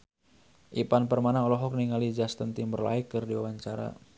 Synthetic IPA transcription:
ʔipanpərmanaɔlɔɦɔk̚niŋalid͡ʒast̪ənt̪imbərla̰ikːɨrdiwawaɲt͡ʃaɾa̰

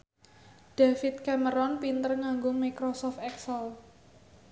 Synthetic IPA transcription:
ɖ̥afit̪̚kɛməɾɔnpint̪ərŋaŋɡomikɾɔsɔft̪ɛksəl

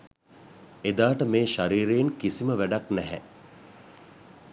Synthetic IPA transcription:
ed̪aːʈəmeːʃaɾiːɾenkisiməʋæɖaknæɦɛ

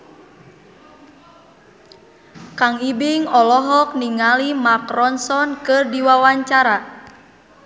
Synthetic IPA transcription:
kaŋibiŋɔlɔɦɔk̚niŋalimakrɔnsɔnkɨrdiwawaɲt͡ʃaɾa

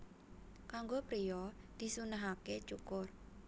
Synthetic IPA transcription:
kaŋɡopɾijɔ | d̪̥i̤sunaɦaket͡ʃukʊr

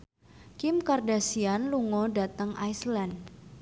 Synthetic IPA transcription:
kɪmkardasianluŋɔdat̪əŋajsland

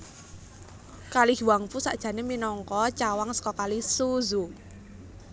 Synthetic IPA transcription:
kalihwaŋfusaʔd̥ʒ̥ä̤neminɔŋkɔt͡ʃawaŋsə̥kɔkalisuzu

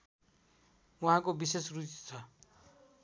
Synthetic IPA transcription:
wuɦãkobisesrut͡st͡sʰʌ

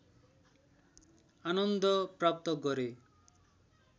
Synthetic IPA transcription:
anɔnd̪ɔpɾap̚t̪ɔkɔɾe

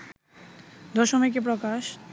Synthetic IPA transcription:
d̪ɔʃomek̬ep̬ɾokaʃ

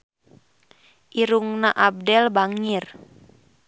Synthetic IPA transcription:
ʔiɾuŋnaʔab̚dɛlbaŋir

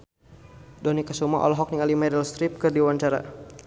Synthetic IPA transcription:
dɔnikasumaʔɔ̰lɔɦɔk̚niŋalimɛdɛlst̪ɾip̚kɨrdiwaɲt͡ʃaɾa̰

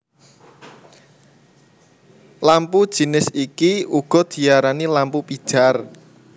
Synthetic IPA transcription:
lampud̥ʒ̥i̤nɪsikiuɡ̥ɔ̤d̪̥i̤aɾanilampupid̥ʒ̥a̤r

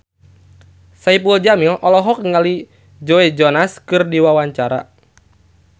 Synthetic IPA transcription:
saipuld͡ʒamilʔɔlɔɦɔk̚ŋali | d͡ʒoed͡ʒɔnaskɨrdiwawaɲt͡ʃaɾa̰

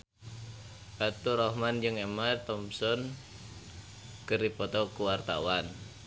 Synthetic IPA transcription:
b̥at̪uɾɔhmand͡ʒɨŋɛmat̪ɔmsɔn | kərdipɔt̪ɔkuwart̪a̰wan

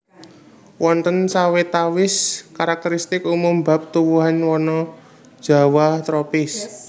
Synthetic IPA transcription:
wɔnt̪ənsawet̪awɪskaɾak̚t̪əɾist̪ɪkumʊmba̤p̚t̪uwuɦanwɔnɔ̥ | ʒ̥a̤waht̪ɾopɪs

